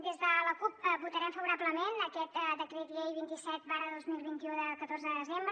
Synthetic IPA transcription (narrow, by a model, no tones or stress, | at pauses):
d̪ezðələkup̚əβut̪əɾɛmfəβuɾabləmenəkɛt̪d̪əkɾet̪lejβint̪isɛt̪̚baɾəðozmilˠβint̪iuðəkət̪orzəðəðəzembɾə